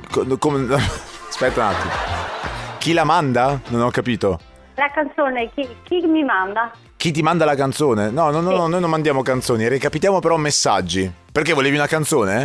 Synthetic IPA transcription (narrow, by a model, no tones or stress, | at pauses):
kokom | spɛt̪ːauna̰t̪ːimo | k̟ilamand̪anonɔkːapiːt̪o | lakant̪soːnekikimimand̪a | k̟it̪̬ːimand̪alakant̪soːnenɔnɔnːɔnɔnːojnõnmand̪jaːmokant̪soːnirikapit̪̬jaːmopeɾɔmːesːa̰d͡ʒːiperkevːoleːviunakant̪soːne